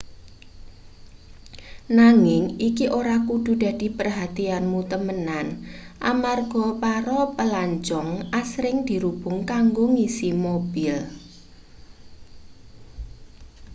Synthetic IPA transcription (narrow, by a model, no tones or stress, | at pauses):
naŋɪŋikiʔoɾakud̪̥ṳɖ̥a̤d̥̪i̤pərɦat̪ianmut̪əmənan | ʔamarɡ̥ɔpaɾɔpəlaɲt͡ʃɔŋasɾɪŋd̪̥i̤ɾub̥ʊ̤ŋkaŋɡoŋisimob̥ɪl